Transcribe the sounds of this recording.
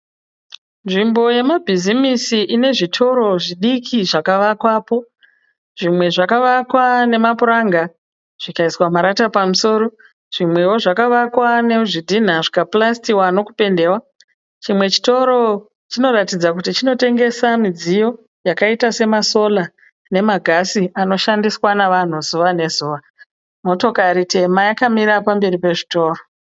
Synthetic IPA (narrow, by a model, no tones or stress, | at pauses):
nʐimbo̞je̞mabʱizimisiʔine̞ʐitʰo̞ɾo̞ʐiɗikʰiʐakaʋakwaːpo̞ | ʐimwe̞ʐakaʋakwane̞mapuɾaŋɡa | ʐ̥ikaiswamaɾatapamuso̞ːɾo̞ | ʐ̥imwe̞wo̞ʐakaʋakwane̞ʐidʱin̤aʐikaplastiwano̞kupe̞nde̞ːwa | t͡ʃimwe̞t͡ʃi̥to̞ɾo̞ | t͡ʃino̞ratid͡zakutit͡ʃino̞te̞ŋɡe̞samid͡zijo̞ | jakaitase̞maso̞la | ne̞maɡʱasiano̞ʃandiswanaʋan̤uzuʋane̞zuːʋa | mo̞to̞kaɾite̞majakamiɾapambe̞ripe̞ʐito̞ːro